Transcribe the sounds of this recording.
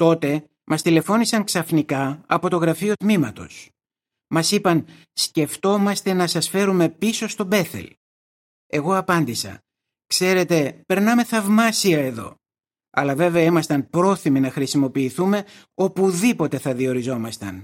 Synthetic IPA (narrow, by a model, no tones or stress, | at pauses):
t̪o̞t̪e̞ | mɐst̪ile̞fo̞nisɐŋksɐfnikɐɐpo̞t̪o̞ɣɾɐfio̞t̪mimɐt̪o̞̰s | mɐsipɐn | sce̞ft̪o̞mɐst̪e̞nɐsɐsfe̞ɾume̞piso̞st̪o̞be̞θe̞̰l | e̞ɣo̞ɐpɐnd̪isɐ̰ | kse̞ɾe̞t̪e̞pe̞ɾnɐme̞θɐvmɐsiɐe̞ðo̞̰ | ɐ̰lɐve̞veɐimɐst̪ɐnpɾo̞θiminɐxɾisimo̞piːθume̞ | o̞puðipo̞t̪e̞θɐðio̞ɾizo̞mɐst̪ɐ̰n